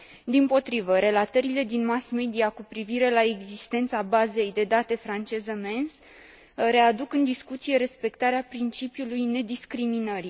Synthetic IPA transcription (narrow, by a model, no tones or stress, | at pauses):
d̪impo̞t̪ɾivəɾe̞lat̪əɾile̞d̪inmasme̞d̪iakupɾiviɾe̞lae̞ɡzist̪e̞nt̪sabaze̞jd̪e̞d̪at̪e̞fɾant͡ʃe̞zəme̞ns | ɾe̞ad̪ukɨnd̪iskut̪sije̞ɾe̞spe̞kt̪aɾeapɾint͡ʃipjulujne̞d̪iskɾiminəɾ